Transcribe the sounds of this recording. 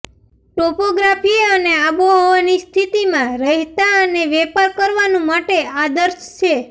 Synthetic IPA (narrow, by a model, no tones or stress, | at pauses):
ʈopoɡɾafiəneaboɦoʋanist̪ʰit̪imãɾəɦt̪aəneʋɛpaɾkəɾʋanũmaʈead̪əɾʃt͡ʃʰe